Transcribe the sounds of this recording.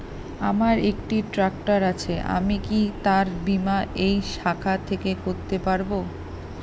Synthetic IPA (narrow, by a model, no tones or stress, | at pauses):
a̰maɾekʈiʈɾak̚ʈaɾat͡ɕʰeʔa̰mikit̪aɾbimaʔejʃakʰat̪ʰekekoɾt̪epaɾbo